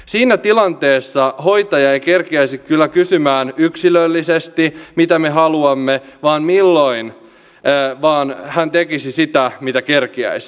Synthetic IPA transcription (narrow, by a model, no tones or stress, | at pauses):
siːnæt̪ilɑnt̪eːsːɑho̞jt̪ɑjɑejkerkiæisikkylːækysymæːnyksilølːisest̪imit̪æmeɦɑluɑmːeʋɑːnmilːoinː | ʋɑːnhænt̪ekisisit̪æmit̪ækerkiæ̰isi̥